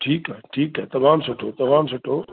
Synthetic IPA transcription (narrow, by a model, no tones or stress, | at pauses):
ʈʰiːkɛʈʰiːkɦɛːt̪ɐmaːmsʊʈʰot̪ɐmaːmsʊʈʰoː